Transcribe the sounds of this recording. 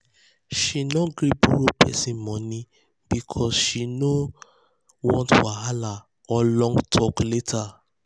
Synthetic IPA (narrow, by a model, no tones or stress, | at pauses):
ʃinɔɡɾibuɾopʰɛ̰sĩmɔ̃nĩ | b̥ikʰɔsʃino | wɔ̃ntwaɦala | ɔlɔ̃ŋɡtʰɔkletʰa